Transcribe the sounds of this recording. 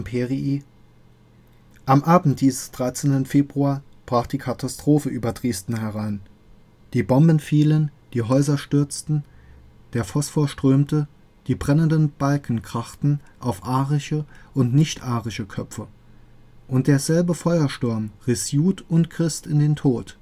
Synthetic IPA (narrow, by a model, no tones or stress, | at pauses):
pʰeʁii | ʔamʔaːbn̩t̚d̥iːzəsd̥ʁaɪt͡sentən̩feːbʁuaɐb̥ʁaːχd̥iːkʰatʰastʁ̥oːfəʔyːbɐdʁeːstn̩hɛʁaɪn | d̥iːbɔmbn̩fiːlənd̥iːɦɔʏzɐʃtʏɐt͡stn̩ | d̥eːɐfɔsfoːɐʃtʁ̥øːmtə | d̥iːbʁɛnəndənb̥alkn̩kʁ̥aχtn̩ʔaʊfʔaːʁɪʃəʔʊntnɪçtʔaːʁɪʃəkʰœpfə | ʔʊnt̚d̥eːɐzɛlbəfɔʏɐʃtʊɐmʁɪsjuːtʊntɡ̥ʁ̥ɪstɪndeːntʰoːt